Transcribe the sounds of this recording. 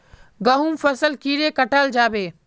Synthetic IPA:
ɡɐɦuːmfəsəlkiːɾeːkɐʈaːld͡ʒaːbeː

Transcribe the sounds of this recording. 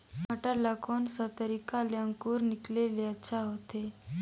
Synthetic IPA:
maʈalakʰonsət̪əɾikaljãŋkuːɾnikleljat͡ɕʰaɦot̪e

